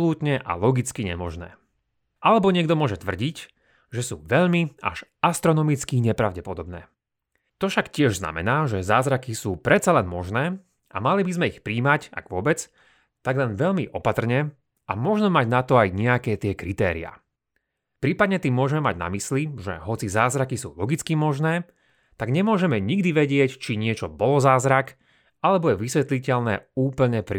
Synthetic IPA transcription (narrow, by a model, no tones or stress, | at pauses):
luːt̪ɲɛʔa̰lɔɡit͡skiɲɛ̰mɔʒnɛ̰ː | ʔalɛbɔɲɪɛɡd̪ɔmʊɔʒɛt̪ʋr̩ɟic | ʒɛsuːʋɛʎmia̰ʒast̪ɾɔnɔmit͡skiɲɛpɾaʊɟɛpɔd̪ɔbnɛ̰ː | t̪ɔfʃakcɪɛʒzna̰mɛ̰naːʒɛzaːzɾakisuːpɾɛt̪t͡salɛnmɔʒnɛː | ʔa̰malibizmɛixpɾiːmaca̰ɡʋʊɔbɛt͡s | t̪aɡlɛnʋɛʎmiʔɔpat̪r̩ɲɛ | ʔa̰mɔʒnɔmaɟnat̪ɔajɲɛakɛːt̪ɪɛkɾit̪ɛ̰ːɾḭa̰ | pɾiːpad̪̚ɲɛt̪iːmːʊɔʒɛmɛma̰ɟna̰misliʒɛ̰ɦɔt͡sizaːzɾakisṵːlɔɡit͡skimɔʒnɛː | t̪aɡɲɛmʊɔʒɛmɛɲiɡd̪iʋɛɟɪɛct͡ʃiɲɪɛt͡ʃɔbɔlɔzaːzɾak | alɛbɔjɛʋisʋɛt̪licɛʎnɛ̰ːuːpl̩ɲɛpɾi